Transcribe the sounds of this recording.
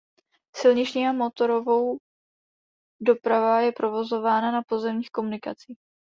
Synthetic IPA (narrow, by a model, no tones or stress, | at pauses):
sɪlɲɪt͡ʃɲiːamo̞t̪o̞ɾo̞vo̞w | do̞pɾavajɛpɾo̞vo̞zo̞vaːnanapo̞zɛmɲiːxko̞munɪka̰t͡siːx